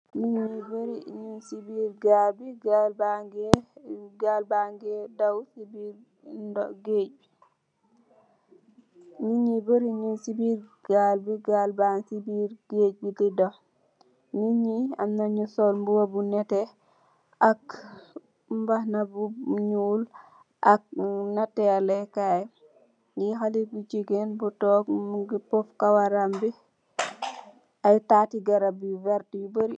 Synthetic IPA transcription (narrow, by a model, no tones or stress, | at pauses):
miɲiboɾiɲunsibiɾɡabiɡabaɡɛɡalbaŋɡɛdawsibiɾ | dɔɡed͡ʒi | miɲiboɾiɲunsibiɾɡ̥albiɡalbansibiɾɡ̥ed͡ʒididɔ | miɲia̰mnaɲusolmbuwabunɛtɛ | ʔak | mbahnabuɲuːl | ʔak̚natɛlɛkaj | jixalibut͡ʃiɡenbutɔːkɡpɔfkawaɾambi | ajtaːtiɡɐɾabivɛɾtiubəɾi